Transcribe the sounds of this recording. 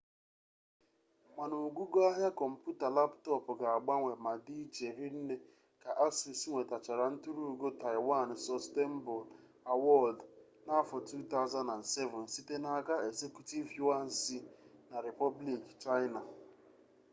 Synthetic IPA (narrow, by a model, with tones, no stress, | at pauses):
ma˨nu˨ɡu˦ɡo˦a˦ɦja˦kɔ˨m̩˨pju˦ta˨la˦ptɔ˦pʊ˨ɡa˨a˨ɡ͡ba˦ŋʷe˨ma˨di˦t͡ʃe˨ɾi˦n̩˦ne˦ | ka˨ʔa˦si˨si˦ŋʷe˨ta˨t͡ʃa˨ɾa˨n̩˦tu˦ɾu˦˨˦ɡo˦ta˨ɪ˨wa˦˨n˨sɔ˦ste˦m̩˦bɔ˨l | a˨wɔ˦˨ld | na˦fɔ˨tu˦t̪a˦ʊ˦za˦na˨nse˦vʊ˨n̩˨si˦te˦na˦ka˦e˨ɡze˦kju˦ti˦vju˦a˦n̩˦si˦na˨ɾi˨pɔ˦bli˨kt͡ʃa˦ɪ˦na˨